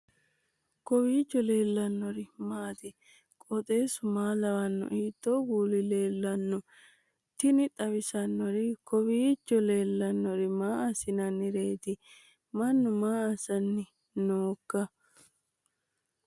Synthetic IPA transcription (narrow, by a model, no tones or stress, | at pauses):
kɔwiːt͡ʃːɔle̞ːlːɐnːɔɾɪmaːt̪ɪ | kʼɔt̪ʼe̞ːsʊmaːlɐwɐnːɔ̰ʔiːt̪ːoɡuːlɪle̞ːlːɐnːɔ | t̪ɪnɪt̪ʼɐwɪsɐnːɔɾɪkɔwiːt͡ʃːɔle̞ːlːɐnːɔɾɪmaːɐsɪnɐnːɪɾe̞ːt̪ɪ | mɐnːʊmaːɐsɐnːɪ | noːkːɐ